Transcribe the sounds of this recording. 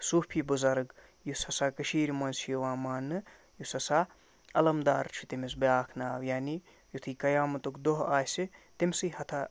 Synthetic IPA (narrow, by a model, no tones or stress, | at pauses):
suːpʰiːbuzɐɾɨɡ | jusɐsaːkɐʃiːɾimɐnsjɐʋaːmaːnːɨ | jusɐsa | ɐlɐmd̪aːɾt͡ʃʰi̥t̪imis̬bjaːkʰnaːwjaːni | jut̪ʰɨːkɐjaːmɐt̪okd̪oɦaːsit̪imʲsɨɦɐt̪ʰa